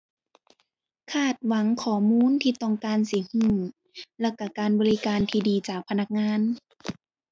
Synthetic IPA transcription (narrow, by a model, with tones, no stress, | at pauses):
kʰaː˧˩t̪̚wa˨˦ŋkʰɔː˩˦muː˧˥˨nt̪ʰiː˧t̪ɔː˧˩ŋkaː˧nsi˨˩˦huː˧˩ | lɛ˧˩wka˧˩kaː˨˧nbɔː˧li˦˧kaː˧nt̪ʰiː˧diː˨˧t͡ɕaː˨˩k̚pʰa˧na˧˩k̚ŋaː˧˥˨n